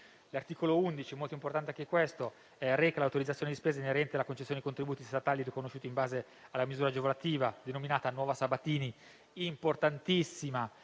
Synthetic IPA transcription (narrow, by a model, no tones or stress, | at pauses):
lart̪iːkolound̪it͡ʃiɛmolt̪oimport̪ant̪eakːekːwest̪o | ɛrɛkalawt̪oɾid̪zat̪sjoned̪ispeːzaineɾɛnt̪ealakont͡ʃesːoned̪ikont̪ɾibuːt̪ist̪at̪aːlirikonoʃːuːt̪imbaːze | alːamizuːɾad͡ʒevolat̪iːvad̪enominaːt̪anwɔːvasabat̪iːniː | mport̪ant̪isːima